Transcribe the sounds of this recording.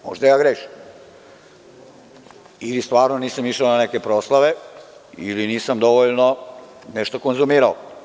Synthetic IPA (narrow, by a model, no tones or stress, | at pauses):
mo̰ʒd̪ajaːɡɾeːʃi̥m | ilist̪ʋaːɾnoniːsamiʃaonanekepɾoslˠaʋe | iliniːsamd̪oʋoʎno | nɛʃt̪okonzumiːɾao